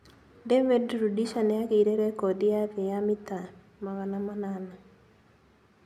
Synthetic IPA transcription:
dɛvɛdɾudiʃanɛakiɾeɾekodɪakɪjamɪt̪a | mawanamanana

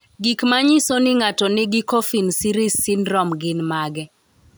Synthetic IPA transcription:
ɡikmaɲisonɪŋatɔnɪɡɪkofinsiɾisːɪnɾɔmɡɪnmaɡɛ

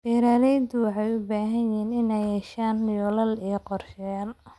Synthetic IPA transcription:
ɛːɾaːlɛjd̪ʊwɑħɑjʊbaːɦɐnjhiːnɪnɛjhɛʃaːnːɪjɔlɐlijɔqɔrʃɛl

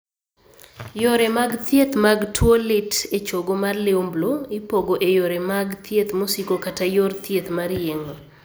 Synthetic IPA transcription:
joɾemaɡt̪jet̪maɡtʰwolɪtet͡ʃoɡomarlɪumbloɪpoɡoʔejoɾemaɡt̪ʰjet̪mosikokatajort̪jet̪maɾjeŋo

